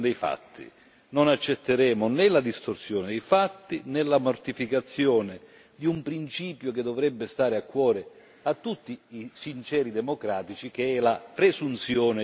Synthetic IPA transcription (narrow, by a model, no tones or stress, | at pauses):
d̪ɛjfa̰t̪ʰːḭ | nonat͡ʃːɛt̪ːeɾɛːmʊnɛlad̪ist̪orsjɔːnɪd̪ɛjfat̪ːinɛlːamort̪ifikat̪sːjɔːnɪ | d̪iumpɾint͡ʃiːpjʊked̪ɔvɾɛbːɪst̪aːɾɪakːwɔːɾe | at̪ːut̪ːiisint͡ʃɛːɾid̪ɛmokɾaːt̪it͡ʃik̟eɛlapɾesunt̪sjɔːnɪ